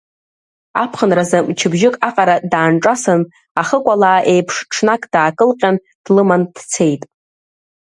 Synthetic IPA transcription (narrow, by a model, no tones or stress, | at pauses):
apʰχənrazamt͡ʃʰɪbʒɪkʼaqʼaɾadaːnʈ͡ʂʼasɨn | aχəkʷʼalaːʔe̞jpʰʂʈ͡ʂʰnakʼd̥aːkʼɨlqʲʼan | d̥lɨmand̥t͡sʰe̞jtʼ